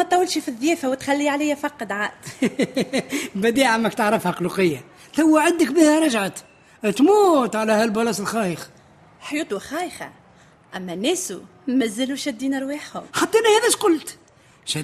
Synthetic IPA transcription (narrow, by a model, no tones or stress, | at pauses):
mæt̪ˤːɑwːəlʃifiðːjɛːfæwət̪xælːiʕalæjːæfɑqːd̪ʕaːʔd̪̥ | bæd̪iʕamːækt̪əʕɾˤəfhæqluqəjːa | θawːæʕad̪ːəkbihæɾˤɑʒʕat̪ | t̪mut̪ʕalæhælbɑlɑsəlxɑjəx | ħjuːt̪ˤuxɑjxa̰ | ʔæmːænæsṵ | mæzːəluʃæd̪ːiːnəɾˤwiħhʊ̰mħɑt̪ˤːɑʔɪnːæhæðæʃqʊlt̪ | ʃæ